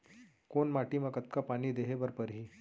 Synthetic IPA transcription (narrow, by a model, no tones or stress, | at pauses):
koɳmaʈimakət̪̚kapaɽ̃iːd̪eɦebəɾpəɾɦiː